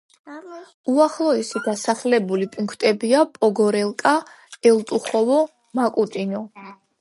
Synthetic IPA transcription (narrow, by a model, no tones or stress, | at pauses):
uaχlˠɔɛsiɡasaχlɛbulipʼiŋkʰt̪ʼɛbiapʼɔɡɔɾɛlˠkʼa | ɛlt̪ʼuχɔvɔ | makʼut̪ʼinɔ